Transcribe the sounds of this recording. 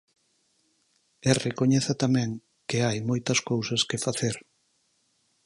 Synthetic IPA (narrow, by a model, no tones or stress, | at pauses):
erekoɲeθɐt̪amɛ̃ŋ | keajmojt̪ɐskowsɐskefaθeɾ